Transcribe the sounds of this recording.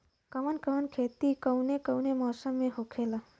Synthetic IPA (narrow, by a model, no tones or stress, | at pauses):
kəʋənkəʋənkʰeːt̪ikəwnekəwnemɔːsəmːẽhoːkʰela